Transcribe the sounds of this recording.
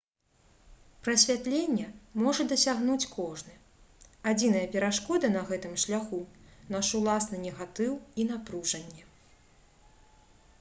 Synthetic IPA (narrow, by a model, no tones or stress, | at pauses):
pɾɐsʲvʲat̪lʲenʲːɛmɔʐɐd̪ɐsʲaɣnut͡sʲkʰɔʐnɨ | ad͡zʲin̪ɐjɐpʲɛɾaʂkɔd̪ɐnɐɣɛt̪ɨmʂlʲaxunaʂulˠasnɨnʲɛɣat̪ɨwin̪apɾuʐɐnʲːɛ